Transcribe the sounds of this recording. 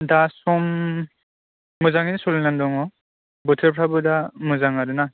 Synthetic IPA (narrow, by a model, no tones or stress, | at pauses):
dasɔm | ɔzaŋinisɔlnandɔŋɔ | bɔtʰeɾpʰɾabɯdamɔzaŋaɾuna